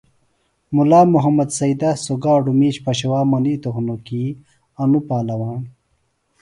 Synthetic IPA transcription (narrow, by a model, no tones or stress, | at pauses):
mulaːmuɦɐmɐd̪sɐid̪asoɡaːɖumiːɕpɐɕɐwaːmɐniːt̪oxnoki | ɐnupaːlɐwaːɳ